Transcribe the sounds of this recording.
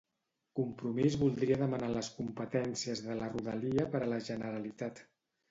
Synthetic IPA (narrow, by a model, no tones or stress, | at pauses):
kumpɾumizβulˠd̪ɾiəðəmənaləskumpət̪ɛnsiəzðələruðəliəpəɾələʒənəɾəlit̪at̪